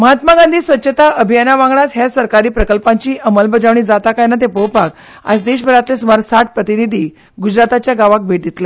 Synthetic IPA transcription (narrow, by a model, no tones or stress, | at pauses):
məɦat̪maɡand̪ʱiːsʋətːɕʰət̪aəbʱijanaʋãŋɡɳasɦjasəɾkaɾiːpɾəkəlpaɲt͡ɕiːʔəməlbəd͡zaʋɳ̃iːd͡zat̪akajnat̪epowpak̚ | a̰sd̪eɕbʱəɾat̪lesumaɾsaʈ̚pɾət̪inid̪ʱiː | ɡud͡ʑɾat̪at͡ɕjaɡaʋak̚bʱeʈ̚d̪it̪le